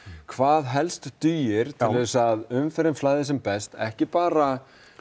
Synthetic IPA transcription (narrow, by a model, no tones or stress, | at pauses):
kʰvaːðɦɛlst̪t̪yːjɪɾ̥t̪ʰɪvɛsaðʏmfɛɾɪnflaːjðɪsɛmpɛst̪ɛhcɪpaːɾa